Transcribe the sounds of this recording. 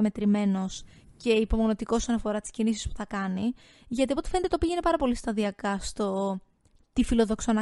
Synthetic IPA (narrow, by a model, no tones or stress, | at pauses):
ɐme̞t̪ɾime̞no̞sce̞ipo̞mo̞not̪ikoosonɐfo̞ɾɐt̪i̥scinisi̥spu̥θɐkɐni | ʝɐt̪iopot̪efe̞net̪et̪opiʝe̞nepɐɾɐpo̞list̪ɐðiɐkɐst̪o̞ | t̪ifilo̞ðo̞ksonɐ